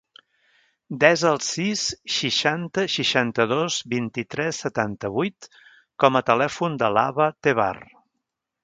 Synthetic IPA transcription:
d̪ɛzəlˠsisʃiʃant̪əʃiʃant̪əðozbint̪it̪ɾɛsːət̪ant̪əβujt̪ | kɔmət̪əlɛfund̪əla̰βət̪eβa̰r

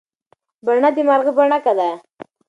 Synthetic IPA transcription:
baɳad̪əmaɾɣəbaɳakad̪a

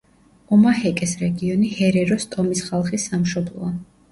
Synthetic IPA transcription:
ɔmahɛkʼɛsɾɛɡiɔnihɛɾɛɾɔst̪ʼɔmisχalˠχisːamʃɔblˠɔ̰a

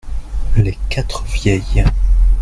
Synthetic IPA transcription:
lekat̪χvjɛj

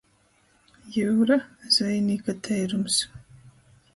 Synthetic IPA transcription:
juːɾaz̥vɛjniːkat̪ʰɛjɾums

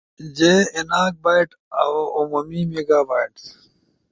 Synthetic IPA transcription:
d͡ʑeinaːk̚baːjʈ | a̰wumumiːmeːɡaːbaːjʈs

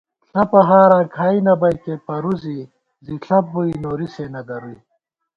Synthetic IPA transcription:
ɬɐpɐɦaːɾãːkʰaːinɐbɐjk̪epɐɾuzi | ziɬʰɐp̚buinoːɾiseːnɐd̪ɐɾui

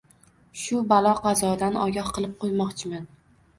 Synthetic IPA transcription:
ʃʊbalˠɒqɑzɒd̪anɒɡʲɒhqɨlˠɪp̚qʰojmɒqt͡ʃʰɪman

